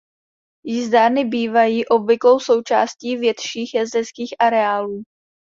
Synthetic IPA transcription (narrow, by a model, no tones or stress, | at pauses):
jɪzd̪aːɾnɪbiːvajiːʔo̞bvɪklo̞wso̞wt͡ʃa̰ːsciːvjɛt̪ʃiːxjazd̪ɛskiːxʔaɾɛaːluː